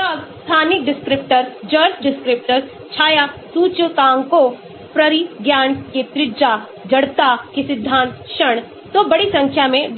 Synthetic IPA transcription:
ɐɡst̪ʰaːnɪk̚ɖɪskɾɪp̚ʈəɾd͡ʒɐɾt͡ʃɖɪskɾɪp̚ʈəɾ | t͡ʃʰaːjasuːt͡ʃok̪ãːŋko | pɾɐɾiɡjaːnket̪ɾɪd͡ʒa | d͡ʒɐɽt̪akisɪd̪ʱːaːnt̪ʃɐɳ̃ | t̪obɐɽisɐ̃ŋkʰjamẽ

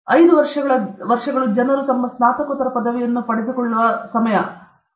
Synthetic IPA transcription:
ɐjd̪uʋɐɾʂɐɡɐɭɐʋɐɾʂɐɡɐɭud͡ʒɐnɐɾut̪ɐmːɐsmaːt̪ɐkɔt̪ːɐɾɐpɐd̪ɐʋɛjɐnːupɐɽed̪ukɔɭːuʋɐsɐmɐjɐ

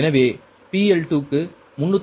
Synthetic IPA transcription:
nɐʋeː | piːɛlʈuːkːɯ | mʊɳːɯt̪ː

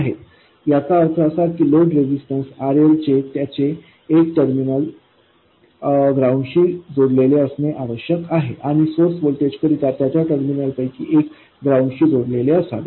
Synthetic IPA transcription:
aɦḛ | jakaəɾt̪ʰəəsad̪̚kiːloɖɾed͡ʑisʈənsaɾelt͡ɕet̪jat͡ɕeː | kʈəɾminəl | ɡɾawɳɖɕiːd͡zoɽleleəsneʔaʋəɕjəkaɦeʔaɽ̃isoɾsʋolʈed͡ʑkəɾit̪at̪jat͡ɕjaʈəɾminəlpəjkḭʔek | ɡɾawɳɖɕiːd͡zoɽleleəsa̰t̪

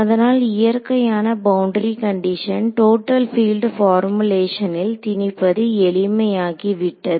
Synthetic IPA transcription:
ɐðɐnaːlɪjɐɾkɐjaːnɐbɐwʊɳɖɾikɐɳɖɪʂɐnʈoːʈːɐlfiːlɖfaːɾmɯleːʂɐnɪlt̪ɪnɪpːɐðɯɛɭɪmɐjaːɣiʋɪʈːɐðɯ

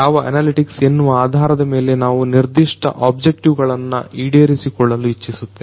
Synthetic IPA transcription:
aːʋɐʔɐ̰naːliʈiksenːuʋɐaːd̪ʱaːɾɐd̪ɐme̞ːle̞naːʋuniɾd̪iʂʈɐ̰ʔaːbd͡ʒek̚ʈiʋɡɐɭɐnːɐ̰ʔiːɽeɾisikɔɭːɐluit͡ʃːisut̪ːe

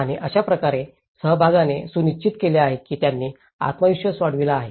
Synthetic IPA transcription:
aɽ̃iʔəɕapɾəkaɾe | səɦəbʱaɡanesunit͡ɕit̪keleaɦekiːt̪janːiː | a̰t̪məʋiɕʋəsʋaɽʋilaːɦḛ

